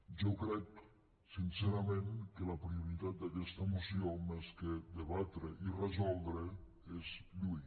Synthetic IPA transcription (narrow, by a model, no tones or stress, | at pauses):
ʒokɾɛk | sinseɾamẽŋkelapɾiuɾit̪at̪̚d̪akɛst̪amusiomesked̪eβat̪ɾeʔirəzɔlˠd̪ɾe | ezʎuj